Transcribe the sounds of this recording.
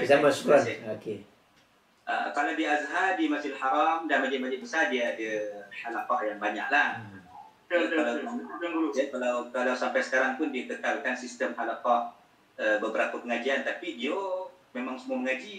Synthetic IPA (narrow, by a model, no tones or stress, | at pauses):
zamãsu̥kaoke | ʔə̰kalawdiazɦadimasɪlhaɾamdanmad͡ʒabaɲaʔ̚bəsadiaːdəhalafahjaŋbaɲa̰ʔlah | alaw | jakalawkalawsampajsə̥kaɾaŋt̪ʊndiat̪əkalkansist̪əmhalafah | əbəbəɾapapəŋad͡ʒiant̪apidiomemãŋsəmuaməŋad͡ʒi